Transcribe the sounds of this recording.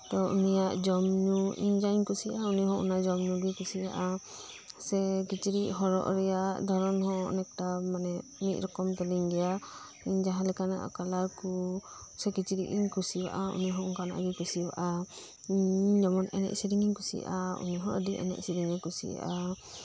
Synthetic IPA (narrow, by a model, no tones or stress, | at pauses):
tɔunijaʔd͡ʒɔmnuḭɲd͡ʒaɲkusiʔauniɦɔ̃ʔṵnad͡ʒɔmnuɡikusiaʔa | sɛkit͡ʃiɾiʔɦɔɾɔ̰ʔɾɛjaʔd̪ʱɔɾɔnɦɔ̰̃nɛk̚tamanɛmit̪̚ɾɔkɔmt̪ɛliŋɡɛja | iɲd͡ʒaɦalɛkana̰ʔa̰kalaɾku | sɛkit͡ʃiɾiʔiɲkusiba̰ʔaṵniɦɔ̃uŋkana̰ʔɡɛkusiba̰ʔa | iɲd͡ʒɔmɔnɛ̰nɛ̰ʔsiɾiŋiɲkusḭa̰ʔaṵniɦɔ̃ʔədiʔɛ̰nɛ̰ʔsiɾiŋɛkusḭa̰ʔa